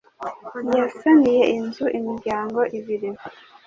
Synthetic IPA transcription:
jasanije̞ʔinzuʔimiɾɟaːŋɡo̞ʔiβiɾimo

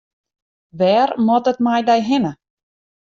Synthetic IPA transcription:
ʋɛːrmɔtətmajdɛjɦɪnə

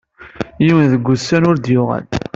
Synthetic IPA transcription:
jiwənðəɡʷːʊsːænʊɾd̪jʊʁæ̰l

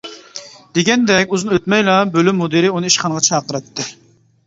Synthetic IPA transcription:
d̪̥eɡʲɛnd̪ɛkʲuzɨnøt̪mɛjlˠɑbølymːod̪ɨɾɪunɨiʃχɑnəʁɑt͡ʃʰɑːqəɾɛt̪ʰːɨ

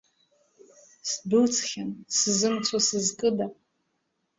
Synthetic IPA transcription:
sdɨt͡sʰʼχʲansɨzɨmt͡sʷʰasɨzkʼɨda

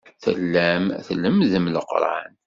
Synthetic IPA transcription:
θə̰lːæmθəlːəmðəmləqɾˤa̰n

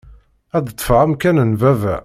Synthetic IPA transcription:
æd̪ət̪ˤːfʁæmkænənvævæ̰

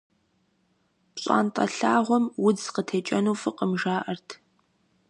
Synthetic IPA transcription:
pɕʼa̰ːntʼɐ̰ɬaːʁʷɔmwʊd͡zqətʰeːt͡ʃʼɐnuːfɨqəmʒaːʔɐrtʰ

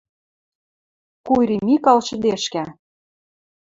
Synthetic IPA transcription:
kuɾʲimikɑlʃɤ̆d̪eʃkæ

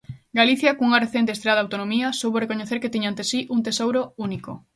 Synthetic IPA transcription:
ɡaliθjɐkõŋuŋɐreθent̪est̪ɾaðawt̪onomiɐsowβorekoɲeθeɾket̪iɲant̪esiʔunt̪esowɾouniko̰

